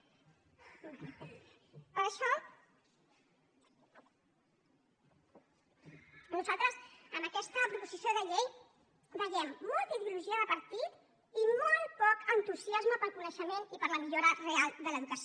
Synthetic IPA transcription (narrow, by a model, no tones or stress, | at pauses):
əʃɔ | nuzalˠt̪ɾəzənəkɛst̪əpɾupuzisijoðəʎej | bəjɛmːɔlˠt̪əiðiuluʒiəðəpəɾt̪it̪ | imɔlˠpɔkənt̪uziazməpəlˠkunəʃəmenipəɾləmiʎoɾərealˠd̪ələðukəs